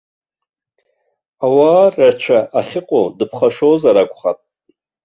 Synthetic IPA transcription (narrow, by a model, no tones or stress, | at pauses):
awaːrart͡ʃʷʰaʔaχʲɪqʼodɨpʰχaʂozaɾakʷʰʼχapʼ